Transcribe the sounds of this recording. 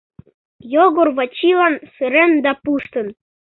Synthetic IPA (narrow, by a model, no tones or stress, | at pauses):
joɣorβɑt͡ɕilɑnseɾend̪ɑpuʃt̪ɤ̆n